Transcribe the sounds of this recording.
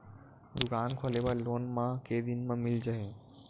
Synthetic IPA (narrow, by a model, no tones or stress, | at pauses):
d̪ʊkaːnkʰoleʋəloːnmãkeːd̪ɪnmãmɪld͡ʒaɦẽ